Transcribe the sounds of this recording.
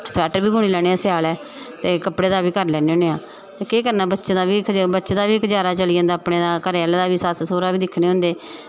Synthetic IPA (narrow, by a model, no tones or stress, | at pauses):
sɛːʈəɾbiːbuːɽ̃iːlɛːɽ̃eːãːsɪjaːlɛː | t̪eːkəpɽeːd̪aːbiːkəɾlɛːneːõːneːãː | t̪eːkeːkəɾnaːbətːʃẽːd̪aːʋiːkbətːʃed̪aːʋiːɪkd͡ʒaːɾaːt͡ʃəliə̃ːnd̪aːpɽeːd̪aːkəɾeɛld̪aːʋiːsaːssoːɾaːʋiːd̪ɪkʰɽ̃eːɦʊ̃nd̪eː